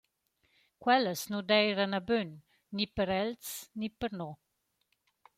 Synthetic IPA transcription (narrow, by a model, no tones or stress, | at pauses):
kwɛləsnudɛjɾanabønː | ipəɾɛlt͡snipəɾnɔ